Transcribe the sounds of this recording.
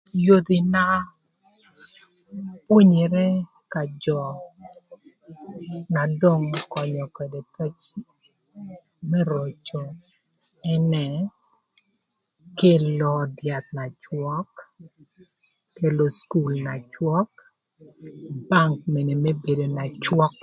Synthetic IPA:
jo˦t̪i˨na˦ | pwo˦ɲi˨ɾɛ˦ | ka˨d͡ʒɔ˨ | na˨do˦˨ŋkɔ˨ɲɔ˨ke˨de˨tɛ˦t͡ʃ | mɛ˦ɾo˨t͡ʃo˨ | ɛ˦nɛ˨ | ke˦lɔ˨dja˨t̪̚na˨t͡ʃwɔ˦k | e˨lo˨sku˨lna˨t͡ʃwɔ˦k | ba˦ŋk̚me˨ne˨mɛ˦be˨do˨na˨t͡ʃwɔ˦k

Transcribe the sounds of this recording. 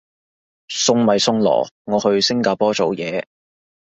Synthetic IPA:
sʊ˧ŋmɐ˨jsʊ˧ŋlɔ̰ː˨˩ŋɔː˨˧hɵ˧ɥsɪ˥ŋkaː˧˩pɔː˥t͡so˨˧wjɛː˨˧

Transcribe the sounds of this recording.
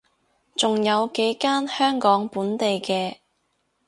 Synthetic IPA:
t͡sʊ˨ŋjɐ˨˧wke˨˥jkaː˥nhœː˥ŋkɔː˨˥ŋpuː˨˥nt̪e˨jkɛː˧

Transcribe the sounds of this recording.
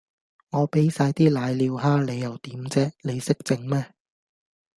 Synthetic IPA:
ŋɔː˨˧pe˨˥jsaː˧jt̪iː˥laː˨˧jliː˨˧wɦaː˥le˨˧jːɐ˨˩wt̪iː˨˥mt͡sɛː˥le˨˧jsɪ˥k̚t͡sɪ˧ŋmɛː˥

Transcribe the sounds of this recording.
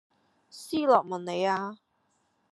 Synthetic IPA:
siː˥lɔː˨˩k̚mɐ˨˩nne˨˧jaː˧

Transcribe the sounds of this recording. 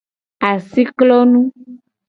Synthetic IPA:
a˨si˦klɔ˦nũ˦

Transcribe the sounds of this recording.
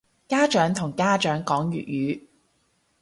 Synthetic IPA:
kaː˥t͡ʃœː˨˥ŋt̪ʰʊ˨˩ŋkaː˥t͡ʃœː˨˥ŋkɔː˨˥ŋɥy̰ː˨t̚jyː˨˥

